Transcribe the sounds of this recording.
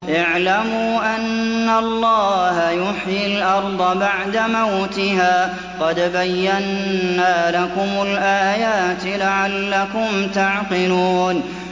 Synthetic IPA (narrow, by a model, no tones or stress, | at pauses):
ʔɪʕlamuːʔanːaɑlˤːɑːhajʊħjɪlʔɑɾˤd̪ˤɑbaʕd̪amawt̪ɪɦaː | qɑd̪bajːanːaːlakʊmʊlʔaːjaːt̪laʕalːakʊmt̪aʕqɪluːn